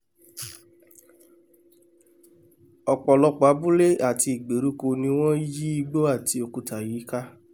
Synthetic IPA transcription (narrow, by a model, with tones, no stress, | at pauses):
ɔ˨k͡pɔ˨lɔ˧k͡pa˨˦bu˦le˦a˦˨ti˧i˨ɡ͡be˨˦ɾu˨˦ko˧nĩ˧w̃ɔ̃˦ji˦i˦˧ɡ͡bo˦a˦˨ti˧o˧ku˧ta˨ji˨˦ka˦